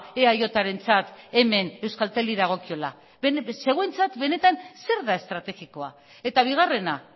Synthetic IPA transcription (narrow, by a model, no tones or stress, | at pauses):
eajo̞t̪aɾe̞nt͡sat̪e̞me̞ne̞wskalt̪e̞liðaɣ̞o̞kio̞la | se̞ɣwe̞nt͡sat̪be̞ne̞t̪anse̞ɾðae̞st̪ɾat̪e̞ɣiko̞a̰ | e̞t̪aβ̞iɣ̞are̞na